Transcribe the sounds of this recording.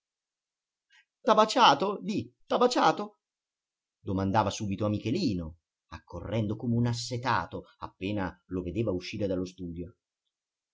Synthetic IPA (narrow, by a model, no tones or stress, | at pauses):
t̪abat͡ʃaːt̪od̪it̪abat͡ʃaːt̪o | d̪omand̪aːvasuːbit̪oamːik̟eliːno | a̰kʰːo̰rːɛnd̪okomeunasːet̪a̰ːt̪oa̰pːeːnaloved̪eːvauʃːiːɾed̪alːost̪uːd̪jo